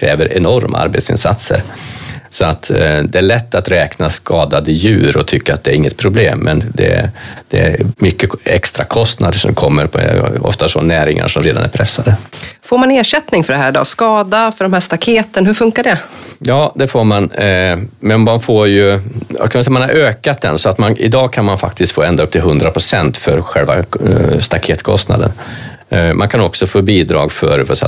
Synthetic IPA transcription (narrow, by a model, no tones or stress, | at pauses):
kʰɾɛːvəɾʔɛnɔɾmʔa̰a̰ɾbḛt̪sɪ̰nsat̪sə̰ɾsɔat̪d̪ɛæɭɛt̪ːat̪ɾɛːknaskɑːd̪ad̪əjʉ̟ːɾɔt̪ʰʏkːaat̪̚d̪ɛæɾɪŋːət̪̚pʰɾʊbleːmːɛnd̪ɛ̰d̪ɛæ̰ɾmʏkːəɛkst̪ɾakʰɔst̪nad̪əʂɔ̰mkʰɔmːəɾpʰɔɔ̰ft̪asɔnæːɾɪŋa̰ʂɔmɾeːd̪anæ̰ɾpʰɾɛsːad̪əfoːɾmaneːʂɛt̪nɪŋfœɖɛɦæːɖɔ̰ːskɑːd̪afœɖɔmhæːʂt̪akʰeːt̪ənhɵɾfɵŋkaɖɛjɑːd̪ɛfoːɾman | mɛnmanfoːɾjɵja̰kʰanvɪsɛjamanhaɾʔøːkat̪̚d̪ɛ̰nsɔat̪manʔɪ̰d̪ɑːɡkʰanmanfak̚t̪ɪst̪foːɛnd̪aɵpt̪ʰɪlɦɵnd̪ɾapʰɾʊsɛnt̪fœɾɧɛlva̰st̪akʰeːt̪kʰɔ̰st̪na̰d̪ə̰n | mʔankʰanɔksɔfoːbiːd̪ɾɑ̰ːɡfœɾvɔsɛ̰